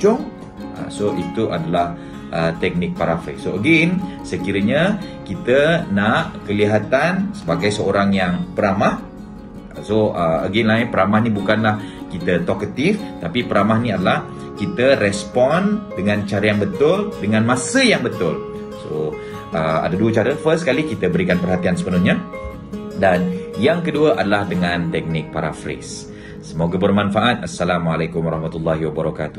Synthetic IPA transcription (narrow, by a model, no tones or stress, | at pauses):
t͡ʃʊŋ | a̰soʔit̪uʔa̰dalah | ʔət̪ɛk̚nɪk̚paɾafə̰jsoəɡinsəkiɾəɲakit̪ənaʔkəliɦat̪ansəbaɡajsəoɾaŋjaŋpəɾamah | soəə̰ɡinlaɪnpəɾamahnibukanlahkit̪ət̪ɔkət̪ift̪apipəɾamahniadalah | kit̪ərɛspɔndəŋãnt͡ʃaɾəjaŋbət̪ʊldəŋãnmãsəjaŋbət̪ʊl | so̰ | ʔəa̰daduət͡ʃaɾəfəskalikit̪əbəɾikanpərɦat̪iansə̥pənʊhɲa | danjaŋkəduəʔadalahdəŋãnt̪ɛk̚nɪk̚paɾa̰fɾɪ̰sː | əmoɡəbərmãnfaʔat̪̚asːalamwalakʊmwaɾɑhmat̪ulːaɦiwabəɾaka̰t̪u̥